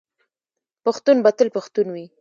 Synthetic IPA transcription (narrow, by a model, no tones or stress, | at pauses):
paxt̪unbat̪əlpaxt̪unwi